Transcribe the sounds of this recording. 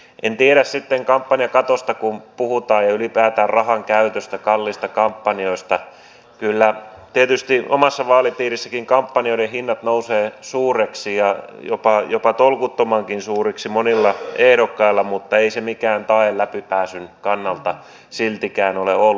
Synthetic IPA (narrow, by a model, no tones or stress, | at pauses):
ḛnt̪ieɾæssit̪ːeŋkɑmpːɑniɑkɑt̪ost̪ɑkumpuhut̪ɑːjjɑylipæːt̪æːrrɑhɑŋkæyt̪øst̪ækɑlːist̪ɑkɑmpːɑnioist̪ɑ | kylːæt̪iet̪yst̪iʔo̰mɑsːɑʋɑːlipiːrisːækiŋkɑmpːɑnioiɾehinːɑt̪nouseːsuːreksijɑjo̰pɑjopɑt̪olkut̪ːomɑŋkinsuːriksimonilːɑehɾokːɑilːɑmut̪ːɑeisemikæːnt̪ɑellæpipæːsynkɑnːɑlt̪ɑ | silt̪ikæːnoleolː